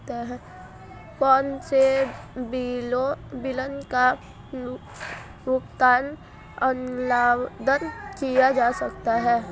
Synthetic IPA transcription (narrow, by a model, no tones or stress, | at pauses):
t̪eɦɛ̃ː | kɔ̃ːnsebiːlõbɪlənka | ɾʊkt̪aːn | ənlaːwd̪əɾkijad͡ʒaːsɐkt̪aɦɛː